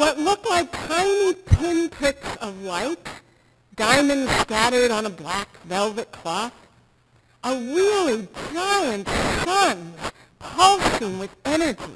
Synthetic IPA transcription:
wʌtˡlʊklaɪk̚tʰãɪ̃nipʰɪ̃npʰɹ̥ɪksʌvlaɪt | d̥ãɪ̃mɨ̃nd̥skæɾə˞ɾn̩əblækvɛlˠvɨt̚kʰl̥ɔθ | ʔəɹɪlˠiaɪɨ̃nsʌ̃nz̥ | pʰʌlˠsɨ̃ŋwɨðɛñə˞d͡ʒḭ

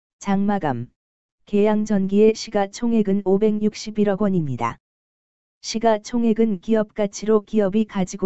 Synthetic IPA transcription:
t͡ɕaŋmaɡa̰m | ke̞jaŋd͡ʑʌnɡie̞ɕʰiɡat͡ɕʰoŋɦe̞ɡɯnobe̞ŋɲuk̚ɕ͈ibiɾʌɡwʌɲimɲida̰ | ɕʰiɡat͡ɕʰoŋɦe̞ɡɯnkiʌp̚k͈at͡ɕʰiɾokiʌbikad͡ʑiɡo

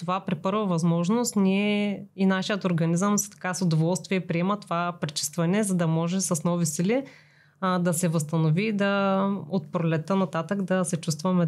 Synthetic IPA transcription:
t̪ovapɾipɤɾvəvɐzmɔʒnost̪nʲiɛinaʃijət̪oɾɡɐnizəmst̪ɐ̥kasod̪ovɔlˠst̪viɛpɾiɛmət̪ovapɾit͡ʃi̥st̪vɐnɛzɐd̪ɐmɔʒɛsɐsnɔvisili | d̪ɐsɛvəst̪ɐnovid̪ɐot̪̚pɾolɛt̪ənɐt̪at̪əkd̪ɐsɛt͡ʃust̪vɐmɛ

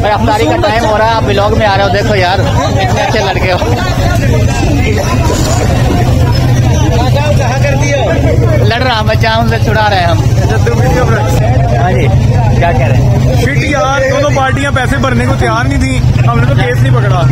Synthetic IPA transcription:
mɐɐft̪aːɾikɐɾt̪aːĩmɦoːɾaaːpʋɪlɔːɡmẽaːɾeɦeõd̪eːkʰoːjaːɾ | ɐtːʃʰelɐɽkeoː | mãːkamkɐɦãːkɐɾt̪ioː | lɐɽɾaːbət͡ʃaʊnset͡ʃʰʊɽaːɾeɦẽːɦɐmt͡ʃad̪pɪʈkɐbɾɐ | ɦãːd͡ʒiː | kjaːkɛɦɾeɦ | pʰɪʈjaːɾt̪õːt̪oːpaːɾʈijãːpɛːsẽbəɾnekõt̪ɪjaːɾnĩːt̪ʰĩːɦɐmnẽt̪okeːsnĩpəkɽaː

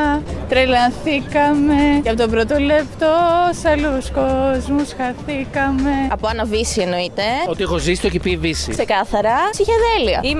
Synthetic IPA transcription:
t̪ɾelɐnθikɐmeeɐpot̪o̞pɾot̪o̞le̞pt̪o̞sɐluskozmusxɐθikɐme̞ɐpoɐnɐvisie̞no̞it̪e̞ot̪iexozisi̥t̪ocipivisikse̞kɐθɐɾɐsiçeðeliɐ̰im

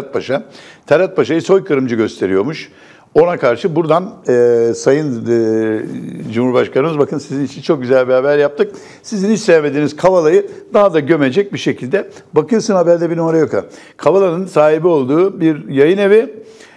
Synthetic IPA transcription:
t̪̚baʃat̪ʰalat̪̚baʃajɯso̞jkʰɯɾɯmd͡ʒɯɟø̞st̪ʰe̞ɾijo̞ɾmuʃ | o̞nakʰaɾʃɯbuɾd̪anːsajɯnd | d͡ʒumuɾbaʃkʰanɯmɯzbakʰɯnsizinit͡ʃʰint͡ʃʰo̞k̚ɟyzælʲbɛaːbɾjap̚t̪ʰɯk̚ | sizinit͡ʃsejeme̞d̪iːniz̥kʰavalˠajɯd̪aɦad̪aɟø̞me̞d͡ʒɛc̚biʃe̞cʰilʲd̪ɛbakɯjɾsɯnhabæɾd̪ɛbinuaɾajo̞ka | kʰavalˠanɯnsaːɦibio̞lˠd̪uːbiɾjajɯne̞vi

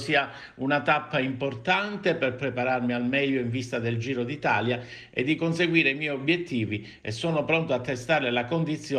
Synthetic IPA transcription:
siːa | unat̪apːaimport̪ant̪eperpɾepaɾarmialmɛʎːoiɱvist̪ad̪eld͡ʒiːɾod̪it̪aːlja | ḛd̪ːikonseɡwiːɾeimɛjobjet̪ːiːvi | ḛsːɔːnopɾont̪oat̪ːest̪aɾelakond̪it̪sːjo

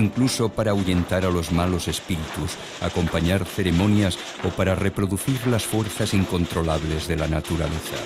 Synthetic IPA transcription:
iŋkluso̞paɾauʝe̞nt̪aɾalo̞zmalo̞se̞spiɾit̪us | a̰ko̞mpaɲaɾθe̞ɾe̞mõ̞njas | opaɾare̞pɾo̞ðuθiɾlasfwe̞ɾθasiŋko̞nt̪ɾo̞laβ̞le̞zðe̞lanat̪uɾaleθa̰

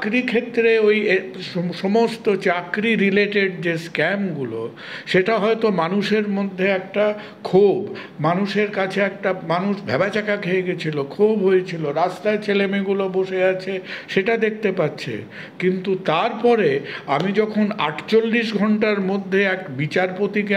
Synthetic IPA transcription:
kɾikʰet̪ːɾeojeʃɔmost̪ot͡ɕakɾiɾileʈeɖd͡ʑeskɛmɡulo̰ | ʃeʈaɦɔet̪omanuʃeɾmod̪ʱːeɛk̚ʈa | kʰob | manuʃeɾkat͡ɕʰeɛk̚ʈamanuʃbʱɛbat͡ɕakakʰeeɡet͡ɕʰilokʰobɦojet͡ɕʰiloɾast̪aet͡ɕelemiɡuloboʃeat͡ɕʰeʃeʈad̪ek̚ʰt̪epatːɕʰḛ | kint̪ut̪aɾpɔɾeamid͡ʑɔkʰona̰ʈt͡ɕolːiʃ̬ɡʱɔɳʈaɾmod̪ʱːeɛkbit͡ɕaɾpot̪ike

